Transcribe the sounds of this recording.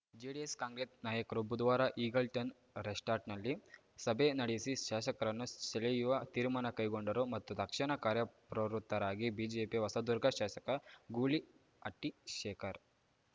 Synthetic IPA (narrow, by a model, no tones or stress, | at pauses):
d͡ʒeɖieskaːŋɡɾesnaːjɐkɐɾubud̪ʋaːɾɐʔiːɡɐlʈɐn | ɾesʈaːɾʈnɐlːi | sɐbʱenɐɽisiʃaːʃɐkɐɾɐnːuselejuʋɐt̪iːɾmaːnɐkɐjɡoɳɖɐɾumɐt̪ːud̪ʱɐkʂɐɳɐkaːɾjɐpɾɐɾut̪ːɐɾaːɡibiːd͡ʒeːpiʋɐsɐd̪uɾɡʱɐʃaːʃɐkɐɡuːli | ɐʈːiʃɛːkʰɐɾ